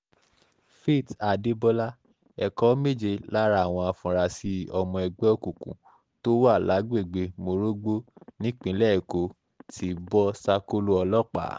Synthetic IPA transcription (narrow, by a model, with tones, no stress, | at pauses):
fe˦˨ta˨de˨˦bɔ˧la˦ | ɛ˨kɔ˦me˦˨d͡ʒe˧la˦ɾa˦a˨w̃ɔ̃˧a˧fũ˨ɾa˨si˧˦ɔ˧mɔ̃˧ɛ˧ɡ͡bɛ˦o˦ku˨kṵ̃˨˦ | to˦wa˦˨la˨˦ɡ͡be˦˨ɡ͡be˧mo˧ɾo˦ɡ͡bo˦nĩ˦k͡pĩ˨˦lɛ˦˨ko˨˦ | tʰi˧bɔ˦sa˦ko˦lo˦ɔ˧lɔ˦k͡pa̰˨